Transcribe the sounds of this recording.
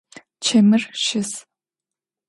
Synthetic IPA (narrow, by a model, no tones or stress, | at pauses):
t͡ʃʰɐmɨrʃɪs